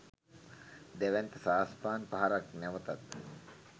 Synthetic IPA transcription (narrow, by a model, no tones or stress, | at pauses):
d̪æʋɛnt̪əsaːspaːnpaɦaɾaknɛʋət̪at̪